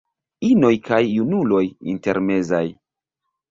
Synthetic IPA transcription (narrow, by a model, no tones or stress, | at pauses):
ino̞jkajːunulo̞jḭnte̞ɾme̞zaj